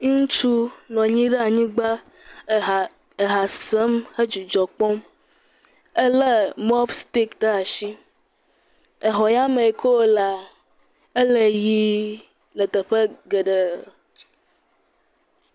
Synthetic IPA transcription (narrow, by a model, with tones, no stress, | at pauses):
ŋũ˦ŋũ˦t͡ʃu˦nɔ̃˨ɲĩ˦ɖə˦a˨ɲĩ˦ɡ͡ba˦˨ | e˨ɦa˨sə˦mhə˦d͡ʒi˨d͡ʒɔ˨k͡pɔ˦m | ə˦lə˦mɔ˦bst̪i˦kɖ̪ə˦a˨ʃi˦ | ə˨ɦɔ˨ja˦mə̃˨e˨kʰo˦˨la˨ | e˦lə˨ji˦ | lə˨t̪ə˨ɸə˦ɡə˨ɖə˨